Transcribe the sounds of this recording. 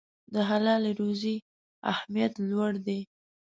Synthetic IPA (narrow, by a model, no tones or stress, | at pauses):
d̪əɦalɑleɾozi | a̰hmijat̪lwaɽd̪e